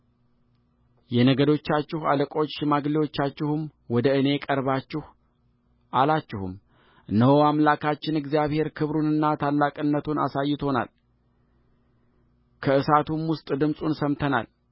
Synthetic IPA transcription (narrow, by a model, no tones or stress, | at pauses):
jɛnəɡəd̪o̞t͡ʃːat͡ʃːɪhaləkʼo̞t͡ʃːmaɡliwo̞t͡ʃːat͡ʃːɪhumwɔd̪əɨne̞kʼəɾβat͡ʃːɪh | ʔalat͡ʃːɪhṵm | ɨnəwoamlakʰat͡ʃːɪnɨɡzijaβhe̞ɾkʰɨβɾunɨnːat̪ʰalːakʼɨnːət̪ʰuna̰sajːɪt̪ʰo̞na̰l | kʰəɨsat̪ʰumwʊst̪ʼd̪ɨmsʼunsəmt̪ʰəna̰l